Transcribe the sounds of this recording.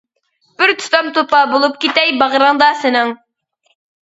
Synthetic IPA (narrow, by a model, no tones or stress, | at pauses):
b̥ɪɾt̪ʰʊ̥t̪ɑmt̪opɑbulˠup̚kʲit̪ɛjbɑʁɾəŋd̪ɑsɪnɨŋ